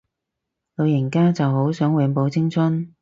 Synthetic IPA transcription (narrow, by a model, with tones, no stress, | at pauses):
lo˨˧wjɪ˨˩nkaː˥t͡sɐ˨wɦo˨˥wsœː˨˥ŋwɛ˨˧npo˨˧wt͡sɪ˥ŋt͡sʰʊ˥n